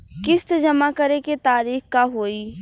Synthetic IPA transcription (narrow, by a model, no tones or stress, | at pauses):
kɪst̪d͡ʒɐmakəɾeket̪aːɾiːxkaɦoːi